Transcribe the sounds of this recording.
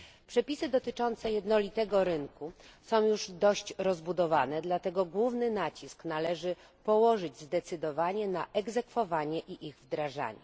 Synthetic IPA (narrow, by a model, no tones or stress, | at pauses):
pʂɛpʲisɘd̪ɔt̪ɘt͡ʂɔnt̪sɛjɛd̪nɔlʲit̪ɛɡɔɾɘŋkusɔ̃w̃juʐd̪ɔɕt͡ɕɾɔzbud̪ɔva̰nɛd̪lat̪ɛɡɔɡwuvnɘnat͡ɕisknalɛʐɘ | pɔwɔʐɘd͡ʑzd̪ɛt̪sɘd̪ɔvaɲɛnaʔɛɡzɛkfɔvaɲɛʔiʔiɣvd̪ɾaʐa̰ɲɛ̰